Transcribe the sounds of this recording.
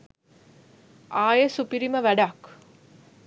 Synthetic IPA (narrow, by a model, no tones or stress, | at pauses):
ʔaːjesupiɾiməʋæɖak